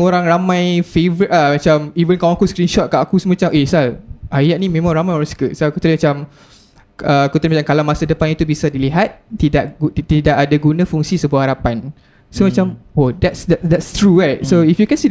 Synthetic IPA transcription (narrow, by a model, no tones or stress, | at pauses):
oɾaŋramãjfevəɾit̚amat͡ʃamivənkawãakuskɾinʃɔt̪̚kaʔakusəmãt͡ʃamʔesalʔajaʔ̚nĩmẽmãŋɾamajoɾaŋsə̥kəsakut̪əɾəmat͡ʃam | əkut̪ɾimat͡ʃamkalawmasadəpanit̪ubisadiliɦat̪̚t̪idaʔɡt̪idaʔadaɡunãfuŋsisəbuahaɾapan | somat͡ʃamodɛtsdɛtdɛtst̪ɾubat̚soifjukɛ̃nsi